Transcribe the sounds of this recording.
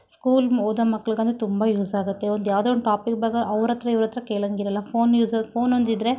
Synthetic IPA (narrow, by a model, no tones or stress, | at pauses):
skuːloːd̪ɐmɐkːɐɭiɡɐnt̪ɐt̪umbɐjuːzaːɡut̪ːe̞ond̪jaːʋd̪oɳʈaːpikbɐɡɐʔɐʋɾɐt̪ːɾɐiʋɾɐt̪ːɐɾɐkeːɭɐŋɡiɾɐlːɐpʰoːnjuːzɐpʰo̞ːnond̪id̪ɾe̞